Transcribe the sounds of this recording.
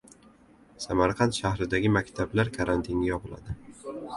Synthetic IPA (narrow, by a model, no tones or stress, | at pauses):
samaɾqʰɑnt̪ʃahɾɪd̪aɡʲɪmakʲt̪ʰablaɾkʰaɾant̪ʰinʲajɒpɨlˠa̰d̪ɪ